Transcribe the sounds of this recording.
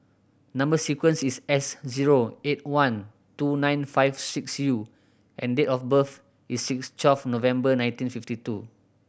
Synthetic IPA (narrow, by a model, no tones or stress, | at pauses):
nãmbəsikwə̃nsisɛsziɹoet̚wãn | tunãj̃nfaɪvsiksju | ʔɛ̃ndetɔfbəf | isːikstwɛlfnovɛ̃mbənãj̃ntĩnfiftitu